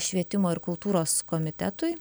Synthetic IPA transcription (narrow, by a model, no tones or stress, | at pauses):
ʃʲʋʲiɛt̪ʲɪmoːɪɾkʊlˠt̪uːɾoːskoːmʲɪt̪ʲɛt̪ʊɪ